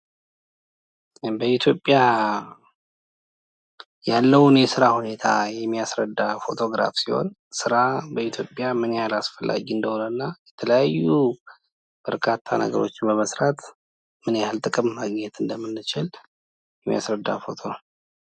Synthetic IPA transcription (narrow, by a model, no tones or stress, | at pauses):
bəit̪ʰjo̞pʼːja | jalːəwnjɛsɨɾahune̞t̪ʰajɛmːijasɾəd̪ːafo̞t̪ʰo̞ɡɾa̰fsiho̞̰n | sɨɾabəit̪ʰjo̞pʼːjamɨnejalasfəlːa̰ɡiɨnd̪əhonənːajɛt̪ʰələjajːu | b̥əɾkʰat̪ʰːanə̰ɡəɾo̞t͡ʃːɪnbəməsɾat̪ | mɨnealt̪ʼɨkʼɨmːaɡɲɛt̪ʰɨnd̪əmːɨnːɨt͡ʃɪl | jɛmija̰sɾəd̪ːa̰fo̞t̪ʰo̞